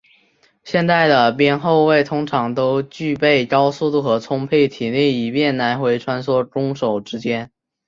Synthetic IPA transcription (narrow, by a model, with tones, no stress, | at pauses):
ɕjɛ˥˧nt̪a˥˩ɪd̪ə˩p̬jɛ˥nxo˥˧ʊwe˥˩ɪt̪ʰʊ˥ŋʈ͡ʂʰɑ˧˥ŋt̪o˥ʊt͡ɕy˥˧pe˥˩ɪkɑ˥ʊsu˥˧t̪u˥˩xɤ˧˥t͡sʰʊ˥ŋpʰe˥˩ɪt̪ʰi˨˩ni˥˩i˨˩pjɛ˥˩nna˧˥nxwe˧˥ɪʈ͡ʂʰwa˥nswɔ˥˩ʈ͡ʂʊ˥ŋʂo˨˩ʊʈ͡ʂɻ̩˥t͡ɕjɛ˥n